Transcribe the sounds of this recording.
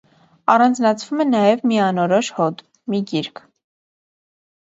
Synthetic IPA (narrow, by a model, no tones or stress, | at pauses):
ɑrɑnd͡znɑt͡sʰvumɛnɑjɛvmiɑnɔɾɔʃhɔt̪ | miɡiɾkʰ